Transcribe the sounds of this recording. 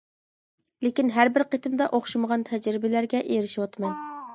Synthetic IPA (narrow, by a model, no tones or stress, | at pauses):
lekʲinɦæɾbɪɾqʰet̪ɨmd̪ɑʔoχʃuməʁɑnt̪ʰɛd͡ʒɾɪbɪlæɾɡʲɛʔeɾɪʃiwɑt̪mɑn